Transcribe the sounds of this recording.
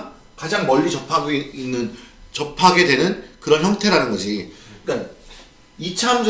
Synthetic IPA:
kad͡ʑaŋmʌʎːit͡ɕʌpʰaɡoiinːɯnt͡ɕʌpʰaɡe̞dwe̞nɯnkɯɾʌnçjʌŋtʰe̞ɾanɯnɡʌd͡ʑiik͈an | it͡ɕʰamd͡ʑ

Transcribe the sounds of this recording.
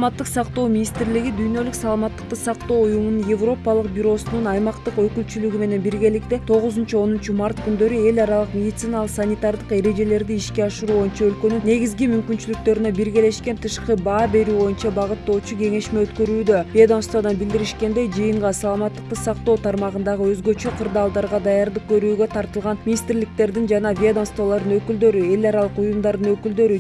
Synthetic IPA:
mɑt̪ːɯqsɑqt̪o̞ːmʲinʲist̪ɾliɡid̪yjnø̞lyksɑlˠɑmɑt̪ːɯ̥q̚t̪ɯsɑqt̪o̞ːujumununje̞vro̞pɑlˠɯqbʲyɾo̞sununɑjmɑqt̪ɯqø̞kylt͡ʃylyɡyme̞ne̞nbiɾɡʲe̞lik̚t̪et̪ʰo̞ʁʊzunt͡ʃuo̞nunt͡ʃumart̪kynd̪ø̞ɾye̞lʲɑɾɑlˠɯqmʲe̞d̪ʲit̪sɨnɑlˠəqsanʲit̪ard̪ɯqe̞ɾe̞d͡ʒe̞le̞ɾd̪iiʃkʲe̞ɑʃɯɾuːβo̞junt͡ʃɑølkø̞nynne̞ɡʲizɡʲimymkynt͡ʃylyk̚t̪ø̞ɾynø̞biɾɡʲele̞ʃke̞nt̪ʰɯʃqɯbɑːbe̞ɾyːβo̞junt͡ʃɑbɑʁɯt̪ːo̞ːt͡ʃuɡe̞ŋe̞ʃme̞øt̪kø̞ɾyːd̪øvʲied̪amst̪vad̪ɑnbild̪iɾiʃke̞nd̪e̞jd͡ʒɯjɯɴʁɑsɑlˠɑmɑt̪ːəq̚t̪ɯsɑq̚t̪o̞ːt̪ʰɑɾmɑʁɯnd̪ɑʁɯø̞zɡø̞t͡ʃø̞qʰɯɾd̪ɑːlˠd̪ɑɾʁɑd̪ɑjɑɾd̪ɯq̚kø̞ɾyːɡøt̪ʰɑɾt̪ɯlˠʁɑnmʲinʲist̪rlikt̪e̞ɾd̪ind͡ʒɑnɑvʲied̪amst̪volˠɑɾd̪ɯnø̞kyld̪ø̞ɾye̞lʲɑɾɑlˠɯqujumd̪ɑɾd̪ɯnø̞kyld̪ø̞ɾy

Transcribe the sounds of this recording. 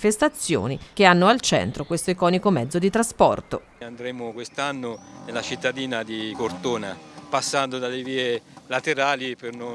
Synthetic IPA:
fest̪at̪sːjo̰ːnik̟eanːoalt͡ʃɛ̰nt̪ɾokwest̪oikɔːnikomɛd̪zːod̪it̪ɾaspɔ̰rt̪o̰ | and̪ɾeːmʊkwest̪anːonelat͡ʃit̪ːad̪iːnad̪ikort̪oːnapasːand̪od̪alːeviːelat̪eɾaːliperno

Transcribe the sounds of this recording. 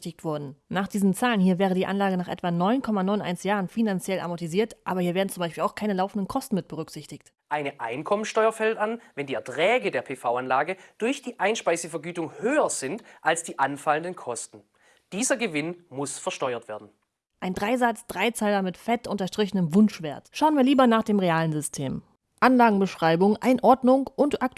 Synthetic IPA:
tɪçtv̥ɔɐdn̩naːχd̥iːzn̩t͡saːlənhiːɐvɛːʁ̞ədiːʔanlaːɡənaːχʔɛ̰tv̥anɔʏnkʰɔmanɔʏnʔa̰ɪnsjaːʁənfinant͡sjɛlʔa̰mɔtiziːɐtʔaːbɐhiɐveːɐdn̩t͡sʊmaɪʃpiːlaʊxkʰaɪnəlaʊfn̩dən̩kʰɔstn̩mɪt̚b̥əʁʏkz̥ɪçtɪçt | ʔaɪnəʔa̰ɪnkʰɔmənsʃtɔʏɐfɛltanvɛndiːɛɐtʁ̥ɛːɡədeːɐpʰeːfaʊanlaːɡəd̥ʊɐçd̥iːʔaɪnʃpaɪzəfɛɐɡyːtʊŋhøːɐz̥ɪntʔalsd̥iːʔanfaləndənkʰɔstn̩ | d̥iːzɐɡəvɪnmʊsfɛɐʃtɔʏɐtv̥eːɐdn̩ | ʔaɪndʁaɪzat͡sd̥ʁaɪt͡saɪlɐmɪtfɛtʔʊntɐʃtʁ̥ɪçənəmvʊnʃv̥eːɐtʃaʊənviːɐliːbɐnaːχd̥eːmʁeaːlənzʏstʰḛːm | ʔanlaːɡŋ̩bəʃʁ̥aɪbʊŋʔaɪnʔɔɐdnʊŋʔʊntʔak̚t

